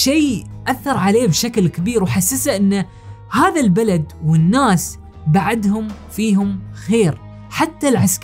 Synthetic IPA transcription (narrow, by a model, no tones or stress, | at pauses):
ʃeːʔaθːɑɾˤʕaleːbʃaklkɪbiːɾwħasːasaʔɪnːa | haːðalbalad̪wɪnːaːs | baʕad̪hʊm | fiːhʊmxeːɾ | ħat̪ːalʕask